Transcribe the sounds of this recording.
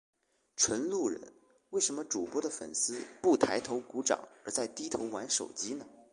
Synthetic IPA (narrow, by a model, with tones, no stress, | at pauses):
ʈ͡ʂʰwə˧˥nlu˥˩ɻə̰˧˥n | we˥˩ɪʂə˧˥nmə˧ʈ͡ʂu˨˩pwɔ˥d̪ə˨˩fə̰˨˩nsɹ̩˥pu˥˩t̪ʰa˧˥ɪt̪ʰo˧˥ʊku˧˥ʈ͡ʂɑ̰˨˩˦ŋə˞˧˥t͡sa˥˧˩ɪt̪i˥t̪ʰo˧˥ʊwa˧˥nʂo̰˨˩ʊt͡ɕi˥nə˨